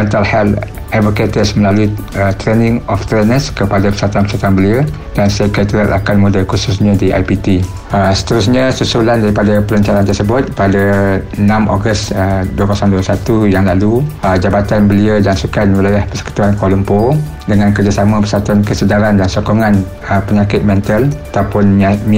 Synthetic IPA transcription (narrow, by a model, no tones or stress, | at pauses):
ɛnt̪alhɛl | advoket̪əsməlaluiət̪ɾenɪ̃ŋɔft̪ɾenəskəpadapəsat̪uanpə̥sat̪uanbəliə | d̥ansakat̪uɾat̪a̰kanmũdəkususɲãdiʔa̰jpit̪i | əsə̥t̪əɾusɲə̃susulandaɾipadapəlaɲt͡ʃaɾant̪ərsəbʊt̪̚padanãmʔɔɡəsəduəkasandusat̪ujaŋlaluəd͡ʒabat̪anbəliəd͡ʒaŋsukanwəlajahpəsə̥kə̥t̪uankolumpo | dəŋãnkərd͡ʒasamãpəsat̪uankəsədaɾandansɔkɔŋãn | əpəɲãkɪt̪̚mɛ̃nt̪alat̪awpʊnm